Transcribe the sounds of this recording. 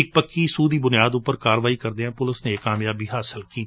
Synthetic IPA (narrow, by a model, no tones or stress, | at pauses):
ɪk̚pəkːiːsuːd̪iːbʊnijaːd̪ʊpːəɾkaːɾəʋaːikəɾd̪eːɦɛ̃ːpʊləsnekːaːmjaːbiːɦaːsɪlkiːt̪ː